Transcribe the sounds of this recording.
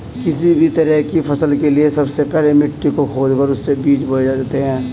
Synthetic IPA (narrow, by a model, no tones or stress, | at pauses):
kɪsibʱit̪ɐɾəɦkipʰɐsəlkeliesɐbsepɛɦlemɪʈːikokʰoːd͡ʒkəɾʊsːebiːt͡ʃbɐd͡ʒaːaːt̪eɦɛ̃ː